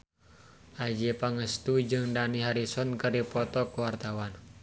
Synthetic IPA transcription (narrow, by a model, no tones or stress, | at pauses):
ʔad͡ʒipaŋəst̪ud͡ʒɨŋdaniɦaɾisɔnkəɾipɔt̪ɔkuwart̪awan